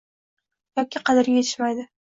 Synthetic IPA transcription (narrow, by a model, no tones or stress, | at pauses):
jɒkʲɪqʰɑd̪ɪɾɡʲaje̞t̪ʰɪʃmajd̪ɪ